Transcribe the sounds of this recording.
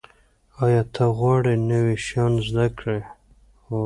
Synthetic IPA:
ɑjɑt̪ʰaɣwɑɽenəweʃɑnzd̪akɽe | xo

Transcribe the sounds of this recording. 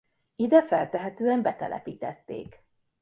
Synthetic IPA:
id̪ɛfɛlt̪ɛɦɛt̪øːɛmbɛt̪ɛ̰lʔɛ̰piːt̪ɛt̪ːḛːk

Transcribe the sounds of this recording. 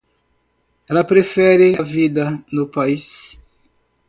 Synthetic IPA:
ɛlɐpɾefɛɾɪavid̪ɐnʊpais

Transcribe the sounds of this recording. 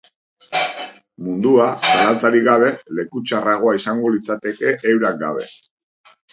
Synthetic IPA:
mund̪uasalat͡saɾiɣaβ̞e̞le̞kut͡ʃaraɣ̞o̞aisaŋɡo̞lit͡sat̪e̞ke̞ʔːwɾak̚ɡa̰βe̞̰

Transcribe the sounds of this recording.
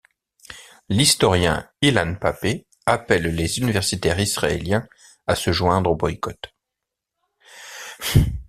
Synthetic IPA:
list̪ɔʁjɛ̰̃ilanpape | apɛlːezynivɛʁsit̪ɛʁisχaḛljɛ̃ | asəʒwɛ̃d̪ʁobɔjkɔt̪

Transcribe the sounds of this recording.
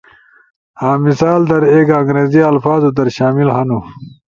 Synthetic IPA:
haːmisaːld̪ɐɾeːkɐ̃ŋɡɾeːziɐlfaːzud̪ɐɾɕaːmilɦɐnu

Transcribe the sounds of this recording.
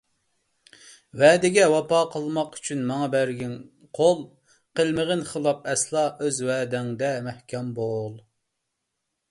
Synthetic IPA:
wɛːd̪ɪɡʲɛwɑpɑːqʰəlˠmɑqy̥t͡ʃʰynmɑŋɑbæɾɡʲɪŋ | qʰolˠ | qəlˠməʁənχəlˠɑp̚ɛslˠɑːʔøzwɛːd̪ɛŋd̪ɛmɛhkʲʰɛmbolˠ

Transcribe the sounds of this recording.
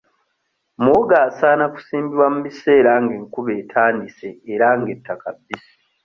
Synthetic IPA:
moɡaːsaːnaku̥siːmbiɾwamumise̞ːɾaŋɡeŋkuβe̞ːtʰaːndise̞ːɾaŋɡe̞tːakabːisi̥

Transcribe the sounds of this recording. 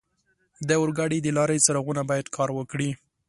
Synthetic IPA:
d̪əʊɾɡaɽid̪əlɑɾət͡səɾaɣunabɑjad̪kʰɑɾwəkɽi

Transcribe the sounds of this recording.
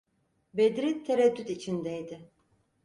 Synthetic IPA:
bed̪ɾit̪ʰːeɾɛd̪ːyt̪it͡ʃʰind̪ɛjd̪ɪ

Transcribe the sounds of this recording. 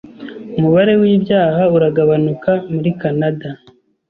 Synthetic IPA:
umuβaɾe̞wibjaːhauɾaɡaβanukamuɾikanada

